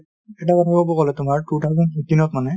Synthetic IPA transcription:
ɛt̬akɔtʰababɔkɔlɛtʊmaɹtutʰazɔnxitinɔtmanɛ

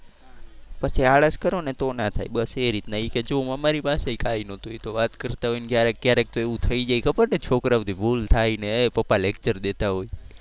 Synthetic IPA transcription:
pət͡ʃʰiaɭəskəɾonet̪onat̪ʰa̰jɓəseɾit̪naiked͡ʒoməmaɾipaseikainõt̪ojt̪oʋat̪kəɾt̪aɦojnkjaɾek̚ːjaɾek̚t̪oeʋũt̪ʰəid͡ʒajkəpəɾʈet͡ʃʰokɾaʋd̪ibʱult̪ʰainepəpalekt͡ʃəɾd̪et̪aɦoj

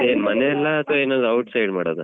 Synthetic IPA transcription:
emɐneɛlːaːt̪ʋoeːnoːd̪ɐwʈsɐjɖmaːɽoːd̪u

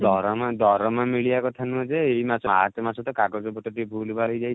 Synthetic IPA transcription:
d̪ɔɾɔmad̪ɔɾɔmamiɭijakɔt̪ʰanud͡ʒeejmasɔa̰t̪masɔt̪ɔkakɔd͡ʒɔbɔʈɔʈibʱulbaɦojd͡ʒaj

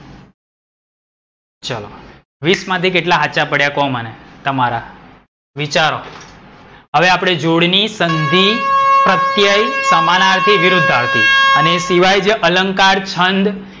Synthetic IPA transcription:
t͡ʃəlo̰ | ʋismãt̪ik̬eʈlaɦaʃapəɽjakomənet̪əmaɾa | ʋit͡ʃaɾo | ɦəʋeapɽ̃ed͡ʒoɽnisənd̪ʱipɾət̪jəjsamanaɾt̪ʰiʋɪɾud̪ʱːaʋt̪ĩəneːsiʋajd͡ʒeʔələŋkaɾt͡ʃʰənd̪

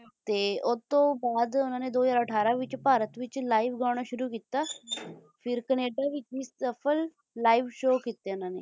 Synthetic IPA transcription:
t̪eːʊt̪ːõːbaːd̪ʊnãːneːd̪oːəzaːɾəʈʰaːɾaːʋɪt͡ʃpaːɾət̪ʋɪt͡ʃlaːiʋɡaːɽ̃aːʃʊɾuːkiːt̪aː | fʰɪɾkəneːɖaːʋɪt͡ʃiːsəpʰəlː | aːiʋʃoːkiːt̪eːʊnãːnḛː

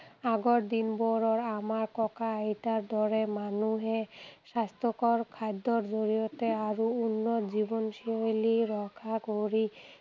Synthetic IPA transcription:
aɡɔɾd̪inbɔɹɔɹamaɹkɔkaajtaɾd̪ɔɾɛmanuɦɛsast̪ʰɔkɔɹkʰad̪ːɔɾzoɹijɔt̪eaɹuunːɔzibɔnʃiojliɾɔkʰakoɾi

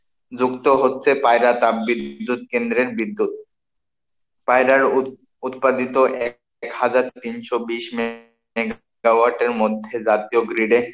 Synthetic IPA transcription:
d͡ʑukt̪oɦotːɕʰepajɾat̪abbid̪d̪ːut̪̚kend̪ɾeɾbid̪ːut̪̚ | pajɾaɾ | ut̪̚pad̪it̪oʔɛ | khad͡ʑaɾt̪inʃobiʃm | eɡ | awaɾʈeɾmod̪ʱːed͡ʑat̪ioɡɾiɖe

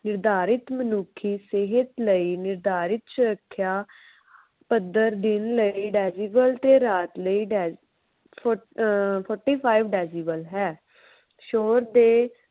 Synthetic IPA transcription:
nɪɾd̪aːɾɪt̪mənuːkʰːiːsɪɦət̪ləiːnɪɾd̪aːɾɪt̪̚t͡ʃʰɾəkʰːjaː | pəd̪əɾd̪ɪnləiːɖɛːziːbəlt̪eːɾaːt̪ləiːɖɛː | pʰɔːɾʈiːpʰaːiʋɖɛːziːbəlɦɛː | ʃoːɾd̪eː

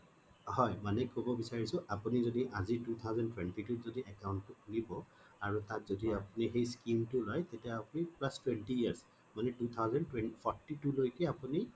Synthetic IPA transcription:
hɔjmanɛkobɔbisaɹisʊʔapunizodiʔazitut̪ʰawzɛntwɛntituzodiʔɛkawnttʊkʰunibɔ | aɹutãk̚zodiapunixejskimtʊlɔjtetijaapunipɹastwɛntiiaɹs | manɛtut̪ʰawzɛntwɛnpʰɔtitulojkɛapuni

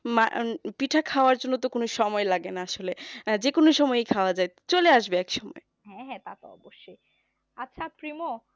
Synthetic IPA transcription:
ma̰piʈʰakʰaoaɾd͡ʑonːot̪okonoʃɔmɔelaɡenaaʃoled͡ʑekonoʃɔmɔeejkʰaoad͡ʑae | t͡ɕoleaʃbeɛkʃɔmɔ̰e | ɦɛ̃ɦɛ̃t̪at̪oɔ̰boʃːoj | atːɕʰapɾimo

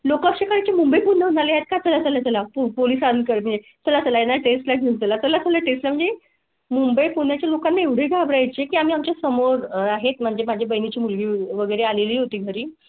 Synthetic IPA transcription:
lokəɕekaɾat͡ɕemumbəjpunːəɦunaleaɦet̪̚kajt͡səlat͡səljat͡səlapopoliːsankəɾməɳd͡ze | t͡səlat͡səlajenaʈesʈlaɡʱeut̪əlat͡səlat͡sʰəlaʈesʈlam̤əɳd͡ze | mumbəjpun̤jat͡ɕjalokanːaeʋɽ̤ʱeɡʱabɾajt͡ɕekiːam̤iːamt͡ɕasəmoɾaɦet̪̚m̤əɳd͡ʑʱemad͡ʑʱebəjnit͡ɕiːmulɡiːʋəɡəjɾealeliːɦot̪iːɡʱəɾiː

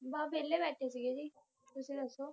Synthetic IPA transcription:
baːbʱeːlebɛːʈʰesiːɡed͡ʒiː | t̪ʊsĩːnəsoː

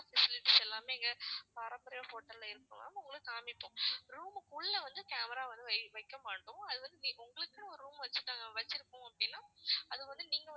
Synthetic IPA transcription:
fɛsɪlɪʈːisɛlːaːmeːɛŋɡɐpɐɾɐmbɐɾɐjofoːʈːɐllɐɪɾɯkːɯ̰̃ŋa̰ːmːaʊŋɡɐɭɯkːaːmɪpːõːɾuːmkʊɭːɐʋɐnd̪ɯkaːmɐɾaːʋɐnd̪ɯɐʋɐɪkːɐmaːʈːʊ̃ɐðɯʋɐnd̪ɯniʊŋɡɐɭɯkːɯɔɾɯɾuːmʋɐt͡ʃːɯʈːaːŋɡɐʋɐt͡ʃːɪɾɯkːʊ̃ːɐpːɐɽɪnːaːɐðɯʋɐnd̪ɯniːŋɡɐ

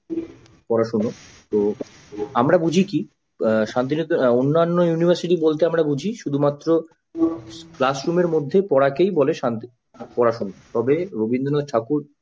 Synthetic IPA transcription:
pɔɾaʃuno | t̪o | amɾabud͡ʑʱiki | ʃant̪̬inot̪onːanːojunibʱaɾsiʈibolt̪eamɽabud͡ʑʱiʃud̪ʱumat̪ːɾo | plasɾumeɾmod̪ʱːepɔɽakejboleʃant̪i | pɔɾaʃunot̪ɔbeɾobind̪ʱonaʈʰakuɾ

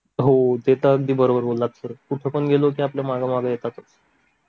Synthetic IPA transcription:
ɦod̪et̪əəɡ̚d̪iːbəɾobəɾbolːat̪səɾokuʈʰepəɳɡʱelok̬iapljamaɡamaɡəjet̪at̪əs

